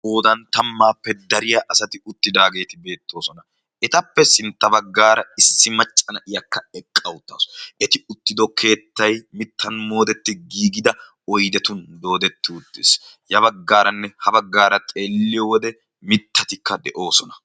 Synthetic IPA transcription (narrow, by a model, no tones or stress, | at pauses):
oːd̪ɐnt̪ɐmːaːpːɛd̪ɐɾɪjɐʔɐsɐt̪ɪʊt̪ːɪd̪aːɡe̞ːt̪ɪbe̞ːt̪ːo̞ːsɔnɐ | ʔɛt̪ɐpːɛsɪnt̪ːɐbɐɡːaːɾɐɪsːɪmɐt͡ʃʼːɐnɐʔɪjɐkːɐɛkʼːɐwʊt̪ːaːsɛt̪ɪʊt̪ːɪd̪ɔkʰe̞ːt̪ːɐjmɪt̪ʰːɐnmo̞ːd̪ɛt̪ːɪɡiːɡɪd̪ɐ | ɔjd̪ɛt̪ʊnd̪o̞ːd̪ɛt̪ːɪʊt̪ːɪs | jɐbɐɡːaːɾɐnːɛhɐbɐɡːaːɾɐt̪ʼe̞ːlːɪjɔwɔd̪ɛ | mɪt̪ʰːɐt̪ɪkːɐd̪ɛʔo̞ːsɔnɐ̥